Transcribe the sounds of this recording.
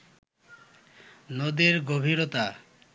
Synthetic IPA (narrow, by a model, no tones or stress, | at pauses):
nod̪eɾɡobʱiɾot̪a